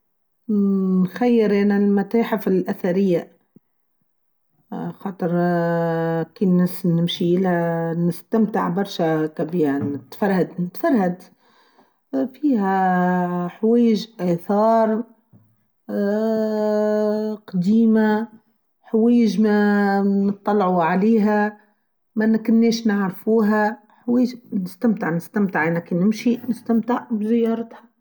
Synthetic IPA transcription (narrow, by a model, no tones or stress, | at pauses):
nxajːɪɾʔænalmæt̪aːħɪfɪlʔæθaɾɪjːa | xɑːt̪ˤɨɾ | kiːnæsnɪmʃiʔɪlænɪst̪amt̪əʕbɑɾˤʃakæbiːanɪt̪fɑɾˤhad̪nɪt̪fɑɾˤhad̪ | fiːhæ | ħwæːjɪʒʔæθɑːɾˤ | qɑd̪iːma | ħweːjɪʒmænɨt̪ˤːɑlːʕuʕaliːɦæ | mænkʊnːeːʃnaʕɾfuːɦæ | ħweːʒnɪst̪amt̪ɪʕnɪst̪amt̪ɪʕɪnækinɪmʃinɪst̪amt̪ɪʕbzɪjːɑːɾˤɑt̪hḁ